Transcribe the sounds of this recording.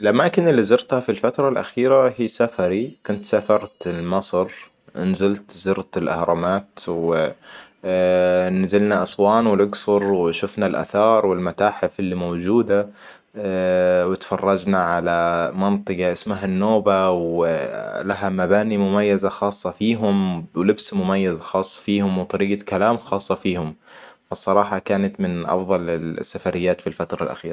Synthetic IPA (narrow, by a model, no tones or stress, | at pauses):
ʔɪlʔamaːkɪnɪlːizɑɾt̪hafilfat̪ɾˤɑlʔa̰xiːɾahiːsafaɾikʊnt̪safɑɾˤt̪ɪlmɑsˤɾ | ʔnzɪlt̪zɪɾt̪ɪlʔa̰hɾˤɑmaːt̪wɪ | nazɪlnaʔɑsˤwɑːnwɪlʊɡsʊɾwɪʃʊfnalʔa̰θɑːɾˤwɪlmat̪aːħɪfɪlːimowd͡ʒuːd̪a | wɪt̪fɑrˤːɑd͡ʒnaʕalamɑnt̪ˤɨɡɑʔɪsmaɦanːoːbaw | laɦamabaːnimʊmajːazaxɑːsˤːɑfiːɦʊmwlɪbsmʊmajːazaxɑːsˤːɑ̥fiːhʊmwt̪ˤɑɾiːɡakalaːmxɑːsˤːɑfiːhʊm | fɑsˤːɑɾˤɑːħɑkaːnat̪mɪnʔɑ̰fðˤɑlɪlsːafaɾɪjːaːt̪filfat̪ɾˤɑ̰lʔa̰xiːɾ